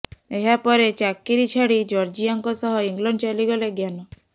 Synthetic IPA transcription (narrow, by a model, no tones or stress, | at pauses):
eɦapɔɾet͡ʃakːiɾit͡ʃʰaɽid͡ʒɔɾd͡ʒiaŋkɔsɔɦɔiŋɡlɔɳɖt͡ʃaliɡɔleɡjanɔ